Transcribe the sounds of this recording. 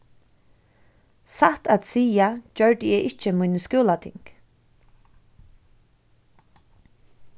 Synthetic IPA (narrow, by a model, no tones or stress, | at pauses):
saht̪at̪siːjad͡ʒœɹt̪əjɛʔɪht͡ʃːəmʊjnəskuːlat̪ʰɪ̰ŋk